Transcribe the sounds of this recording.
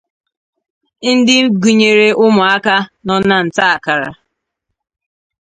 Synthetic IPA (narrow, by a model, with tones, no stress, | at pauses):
n̩˦dɪ˦m̩˦ɡu˨ɲe˨ɾe˦ʊ˦mʊ˨a˦ka˦nɔ˦na˦n̩˨ta˦a˨ka˨ɾa̰˨